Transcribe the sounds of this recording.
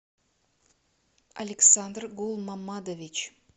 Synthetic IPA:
ɐ̰lʲɪksand̪rɡulˠmamːad̪ovʲit͡ʃ

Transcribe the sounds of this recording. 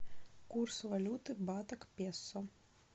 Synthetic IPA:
kursvalʲut̪ɨbat̪ɐkpʲɛsːɐ

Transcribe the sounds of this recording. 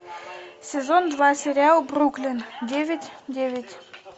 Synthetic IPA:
sʲezond̪vɑsʲeɾʲialˠbruklʲɘ̆ndʲevʲɘtʲdʲevʲɪtʲ

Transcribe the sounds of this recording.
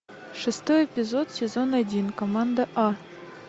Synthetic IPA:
ʂɨst̪ojepʲizot̪sʲezonadʲinkomand̪aʔɑ

